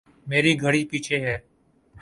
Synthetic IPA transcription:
meːɾiːɡʱəɽiːpiːt͡ʃʰeːɦɛː

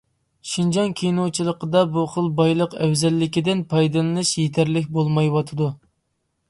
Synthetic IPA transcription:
ʃind͡ʒɑŋkʲʰijnowt͡ʃʰilˠəqəd̪ɑbuχəlˠbɑjlˠəqɛwzɛlːɪkʲid̪ɪnpʰɑjd̪ɨlˠɨnɨʃjet̪ʰæɾlɪkʲbolˠmɑjwɑt̪ʰɨd̪u

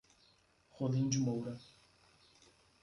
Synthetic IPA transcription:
χolĩd͡ʒimowɾɐ

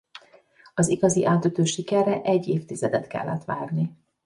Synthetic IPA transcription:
ɒziɡɒziʔaːt̪øt̪øːʃikɛrːɛʔɛɟːeːft̪izɛd̪ɛt̪kɛ̰lːɛt̪ʋaːrni

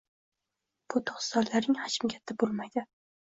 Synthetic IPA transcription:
b̥ʊt̪ʰʊ̥χst̪ɒllaɾnɪŋhat͡ʃɪmɡʲat̪ʰːɪbolˠmajd̪ɪ

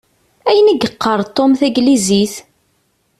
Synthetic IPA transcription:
æjənæɡəqːəɾˤt̪ˤːomθæɡliziθ

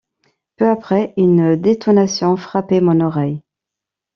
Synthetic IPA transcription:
pøapχɛynd̪et̪ɔnasjɔ̃fχapemɔ̃nɔʁɛj

